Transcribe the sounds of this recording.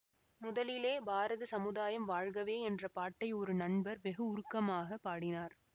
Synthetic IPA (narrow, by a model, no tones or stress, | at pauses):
mʊðɐlɪleːbʱaːɾɐðɯsɐmɯðaːjɐmʋaːɻɣɐʋeːɛndrɐpaːʈːɐɪɔɾɯnɐɳbɐɾʋɛɣɐʊɾʊkːɐmaːɣɐpːaːɽɪnaːɾ